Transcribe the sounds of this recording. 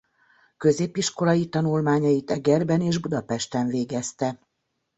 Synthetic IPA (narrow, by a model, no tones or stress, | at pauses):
kø̞zeːpːiʃko̞lɒjit̪ɒnulmaːɲɒjit̪ɛɡɛrbɛneːʒbud̪ɒpɛʃt̪ɛɱveːɡɛst̪ɛ